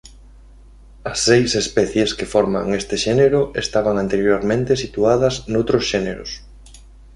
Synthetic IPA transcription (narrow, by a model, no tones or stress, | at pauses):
ɐsːejsespɛθjeskefɔɾma̰ŋest̪eʃɛneɾʊest̪aβaŋant̪eɾjoɾmẽnt̪esit̪uaðɐznowt̪ɾosʃeɛneɾʊ̰s